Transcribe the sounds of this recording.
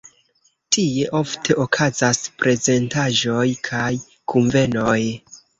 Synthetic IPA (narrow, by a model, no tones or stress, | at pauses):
tʰie̞ʔo̞ftʰe̞ʔokʰazaspɾe̞ze̞ntaʒo̞jkʰaj | kʰuɱve̞no̞j